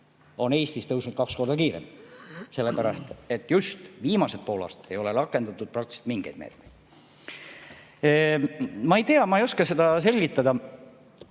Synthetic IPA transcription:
o̞ne̞ːst̪ist̪ɤuwsnud̪̥̚kɑksko̞rd̪ɑkiːɾḛmse̞lːepæɾɑst̪e̞t̪ːˑjust̪viːmɑse̞d̪̚po̞ːlɑ̰ːst̪ɑ̥t̪ːˑe̞jo̞le̞ɾɑkːˑe̞nd̪ɑt̪ːˑud̪̥̚prɑk̚t̪i̥se̥t̪miŋɡ̥ejd̪̥me̞̰ːt̪mejd̪̥ | mɑejt̪e̞ɑmɑejo̞skɑse̞d̪ɑse̞lʲɡit̪ˑːɑd̪ɑ

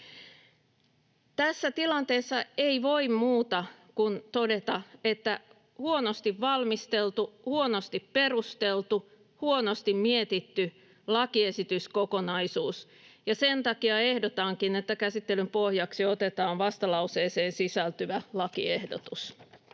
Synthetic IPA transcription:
t̪æsːæt̪ilɑnt̪eːsːɑeiʋoimmuːt̪ɑkunt̪odet̪ɑet̪ːæ | huonost̪iʋʋɑlmist̪elt̪uhuonost̪ipperust̪elt̪u | huonost̪immiet̪it̪ːy | lɑkiesit̪yskokonɑisuːs | jɑsent̪ɑkiɑehdot̪ɑŋkinet̪ːækæsit̪ːelympohjɑksiot̪et̪ɑːnʋɑst̪ɑlɑuseːseːnsisælt̪yʋælɑkiehdo̰t̪us

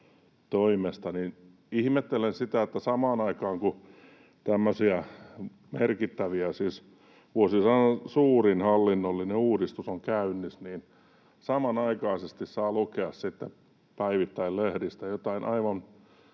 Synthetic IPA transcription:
t̪oimest̪ɑnin | ihmet̪ːelensit̪æet̪ːæsɑmɑːnɑikɑːŋku | t̪æmːøsiæ | merkit̪ːæʋiæsiːs | ʋuosisɑnɑsuːrinhɑlːinːolːineuːdist̪usoŋkæynːisniːn | sɑmɑnɑikɑisest̪issɑːlukeɑssit̪ːe | pæiʋit̪ːæillehdist̪æjot̪ɑinʔɑiʋɑn

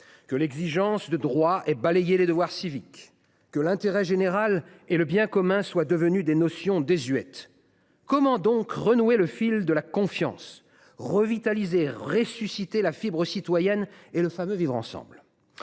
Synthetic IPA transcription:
kəlɛɡziʒɑ̃sd̪əd̪ʁwaɛbalejeled̪əvwaʁsivikː | əlɛ̃t̪eʁɛʒeneʁal | eləbjɛ̃kɔmɛ̃swad̪əvənyd̪enɔsjɔ̃d̪ezɥɛt̪ | kɔmɑ̃d̪ɔ̃kʁənueləfild̪əlakɔ̃fjɑ̰̃s | ʁəvit̪alizeʁesysit̪elafibʁəsit̪wajɛneləfamøvivʁɑ̰̃sɑ̰̃bl

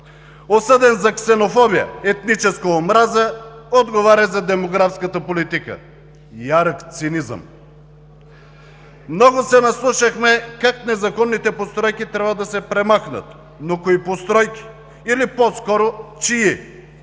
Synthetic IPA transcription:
osɤd̪ɛnzɐksɛnofɔbijə̰ɛt̪nit͡ʃɛskəomɾazəod̪ɡovaɾʲɐzɐd̪ɛmoɡɾafskət̪əpolit̪ikə̰ | jaɾəkt̪sinizə̰m | mnɔɡosɛnɐslˠuʃəxmɛkaknɛzɐkɔnːit̪ɛpost̪ɾɔjkit̪ɾʲavvəd̪ɐsɛpɾɛmaxnə̰t̪ | nokoipost̪ɾɔjkʲi̥ | iliposkɔɾot͡ʃii

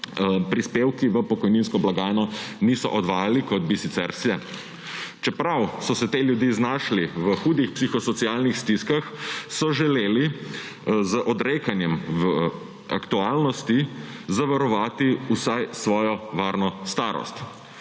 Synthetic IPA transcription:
pɾispewkiʋəpɔkɔjninskɔblaɡaːjnɔnisɔ̰ʔɔd̪ʋaːjalikɔd̪̚bisit̪sɛɾslɛ | t͡ʃɛpɾawsɔsɛt̪eːljud̪jiːznaʃliʋəxuːd̪ixpsixɔsɔt̪siaːlnixst̪iskaxsɔʒɛleːli | zəʔɔd̪ɾekanjɛmʋə | a̰kt̪ualnɔst̪izaʋaɾɔʋaːt̪iusajsʋɔːjɔʋaːɾnɔst̪aːɾɔ̰st̪

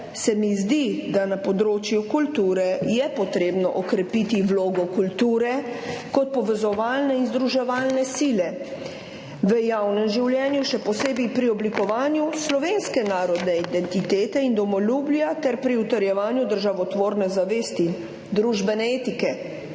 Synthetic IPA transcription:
sɛmizd̪id̪anapɔd̪ɾoːt͡ʃjukult̪uːɾɛjɛpɔt̪ɾeːbnɔʔɔkɾɛpit̪iwloːɡɔkult̪uːɾɛkɔt̪̚pɔʋɛzɔʋaːlnɛinzd̪ɾuʒɛʋaːlnɛsilɛ | ʋəjawnɛmʒiwljɛːnjuʃɛpɔseːbipɾiɔblikɔʋaːnjuslɔʋeːnskɛnaːɾɔd̪nɛid̪ɛnt̪it̪eːt̪ɛind̪ɔmɔluːblijat̪ɛɾpɾiut̪əɾjɛʋaːnjud̪əɾʒaʋɔt̪ʋoːɾnɛzaʋeːst̪i | d̪ɾuʒbɛnɛeːt̪ikɛ

